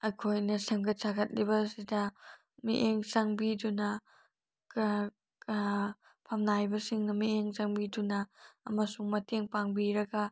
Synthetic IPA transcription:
ɐjkʰojnɐsɐŋɡɐt̚saɡɐt̚libɐsidɐ | mḭʔeŋsaŋbidunɐ | pʰɐmnajbɐsiŋnɐmieŋsaŋbidunɐɐ̰mɐsuŋmɐteŋpaŋbiɾɐɡɐ

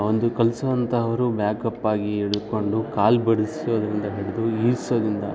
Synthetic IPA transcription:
ond̪ukɐlsɐʋɐnt̪ɐɦɐʋɐɾubjaːkɐpːaːɡieɽud̪ko̞ɳɖukaːlbɐɽisijoːd̪ɐɾind̪ɐɦeɽud̪uiːsoːd̪ind̪ɐ̰

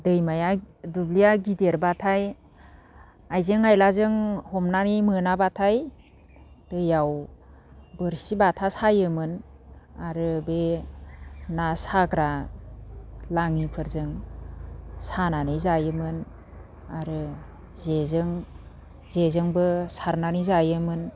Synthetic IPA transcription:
dɯjmajadublijaɡideɾbatʰaj | ajzɯŋajlazɯŋhɔmnanimɯnabatʰaj | d̥ɯjaw | bɯɾsibatʰasajɯmɯnaɾɯbe | nasaɡɾa | laŋipʰɯɾzɯŋ | sananizajɯmɯn | aɾɯ | zezɯŋ | zezɯŋbɯsaɾnanizajɯmɯn

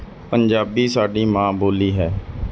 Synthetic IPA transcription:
pənd͡ʒaːbiːsaːɖiːmãːboːliːɦɛː

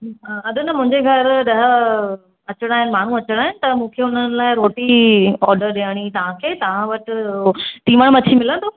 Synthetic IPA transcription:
ɦaɐd̪onɐmʊ̃ɦɪ̃ɲd͡ʑeɡʱɐɾɗɐɦə | ɐt͡ɕəɽ̃aːɦɪnɪ̆maːɳ̤ũɐt͡ɕəɽ̃aːɦɪnɪ̆t̪ɐmũːkʰeːʊn̤ənɪ̆laːɪɾoːʈiɔːɾɖəɾɗeəɽ̃it̪ɐʋ̤ãkʰeːt̪ɐʋ̤ãʋɐʈ | t̪ĩːʋəɽ̃mɐt͡ɕʰimɪlə̃nt̪ʰoː

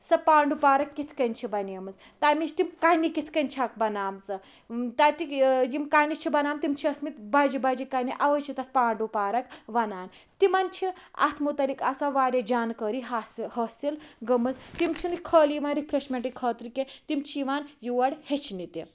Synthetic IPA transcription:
sɐpaːɳɖupaːɾɐkːit̪ʰkɐnʲt͡ʃʰibɐnɐmɨt͡s | t̪amit͡ʃʰt̪imkanikit̪ʰkɐnt͡ʃʰak̚bɐnaːmt͡sɐ | t̪at̪ikjimkajnit͡ʃʰibɐnaːmt̪imt͡ʃʰiɐsmit̪bad͡ʒibad͡ʒikaniʔaʋɐt͡ʃʰit̪ɐt̪̚ʰpaːɳɖupaːɾɐkʋɐnaːn | t̪imanʲt͡ʃʰia̰t̪ʰmut̪ɐlikasaʋaːɾʲjɐd͡ʒaːnkəɾiɦashɐsilɡɐmɐt͡st̪imt͡ʃʰinikʰəːliʋanɾipʰɾesmʲeɳʈikʰəːt̪ɾiket̪imt͡ʃʰiʋaːnjuʋɐɽhet͡ʃʰnit̪i

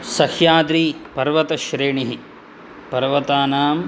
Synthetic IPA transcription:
sɐhjaːd̪ɾiːpɐɾʋɐt̪ɐʃɾeːɳiɦi | pɐɾʋɐt̪aːnaːm

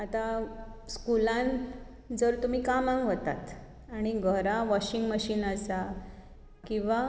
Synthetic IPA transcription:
at̪askulãn | d͡zəɾt̪um̤iːkamãŋɡɦot̪a̰t̪ | aɽ̃iɡʱəɾaʋɔɕiŋɡməɕiːnasa | kĩʋa

